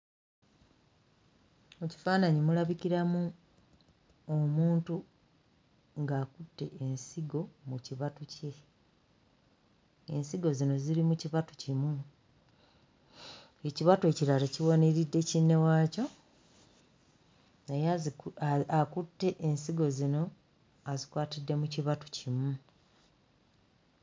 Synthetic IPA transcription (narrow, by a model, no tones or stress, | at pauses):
muci̥faːnaɲimulaβiciɾamu | omuːntu | ŋɡaːkutːe̞ʔensiɡo̞muciβatuce̞ | e̞nsiɡo̞zino̞ziɾimuciβatucimu | e̞ciβatue̞ciɾaɾeciwoneɾidːe̞cinːe̞waːco̞ | neja | akutːe̞ʔensiɡo̞zino̞ | azikwaːtidːe̞muciβatu̥cimu